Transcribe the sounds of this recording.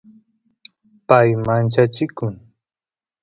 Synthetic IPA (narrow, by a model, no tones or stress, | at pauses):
pajmant͡ʃat͡ʃɪkʊŋ